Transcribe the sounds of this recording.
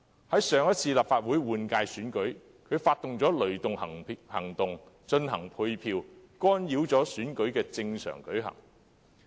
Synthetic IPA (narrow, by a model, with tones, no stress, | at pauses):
hɐ˨˥jsœː˨˧ŋjɐ˥t̚t͡sʰiː˧laː˨pfaː˧t̚wuː˨˥jwuː˨˧nkaː˧jsyː˨˥nkɵ˨˥ɥ | kʰɵ˨˧ɥfaː˧t̪̚ʊ˨ŋt͡sɔː˨˥lɵ˨˩ɥt̪ʊ˨ŋhɐ˨˩ŋhɐ̰˨˩ŋt̪ʊ˨ŋ | t͡ʃɵ˧nhɐ˨˩ŋpʰu˧jpʰiː˧wkɔː˥njiː˨˥wt͡sɔː˨˥syː˨˥nkɵ˨˥ɥkɛː˧t͡sɪ˧ŋsœ̰ː˨˩ŋkɵ˨˥ɥɦɐ̰˨˩ŋ